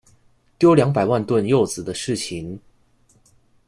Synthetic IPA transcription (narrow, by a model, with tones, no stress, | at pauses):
t̪jo˥ʊljɑ˧˥ŋp̬a˨˩ɪwa˥˧nt̪wə˥˧njo˥˩ʊt͡sɹ̩˨˩d̪ə˦ʂɻ̩˥˩t͡ɕʰi˧˥n